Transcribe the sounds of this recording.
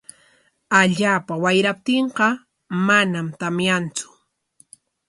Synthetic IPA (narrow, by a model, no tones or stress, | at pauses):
aʎaːpawajɾap̚t̪eɴqɑ | manamt̪amjant͡sʊ̥